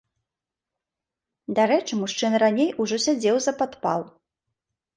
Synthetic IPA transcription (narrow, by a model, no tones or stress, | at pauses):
d̪aɾɛt͡ʂɨmuʂt͡ʂɨnranʲejuʐɔsʲad͡zʲɛwzɐpat̪pa̰lˠ